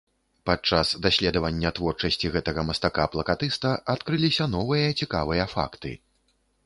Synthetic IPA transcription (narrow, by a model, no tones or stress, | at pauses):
pat͡ʂasd̪asʲlʲɛd̪ɐvɐnʲːɐt̪vɔrt͡ʂɐsʲt͡sʲiɣɛt̪ɐɣɐmɐst̪akaplˠɐkat̪ɨst̪ɐʔat̪kɾɨlʲisʲɐnɔvɨjɐt͡sʲika̰vɨjɐfa̰kt̪ɨ̰